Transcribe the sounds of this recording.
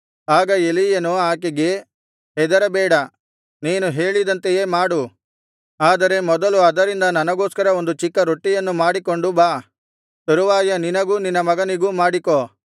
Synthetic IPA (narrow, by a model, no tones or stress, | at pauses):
aːɡɐelijɐnuaːk̬eɡe̞ | ɦɛd̪ɐɾɐbɛːɽɐ | niːnuɦeːɭid̪ɐnt̪eje̞ːmaːɽu | aːd̪ɐɾe̞mɔd̪ɐluɐd̪ɐɾind̪ɐnɐnɐɡo̞ːskɐɾɐo̞nd̪ut͡ʃikːɐɾoʈːijɐnːumaːɽiko̞ɳɖubaː | t̪oɾuʋaːjɐninɐɡuːninːɐmɐɡɐniɡumaːɽikoː